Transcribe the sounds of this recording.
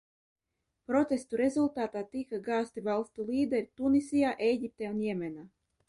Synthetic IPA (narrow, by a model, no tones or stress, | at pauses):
pɾɔt̪est̪uɾɛzulˠt̪aːt̪aːt̪ikaɡaːst̪ivalˠst̪ulʲiːd̪ɛɾʲit̪unisʲijaːʔɛjɡʲip̚t̪ʲɛunjɛɛmʲɛnaː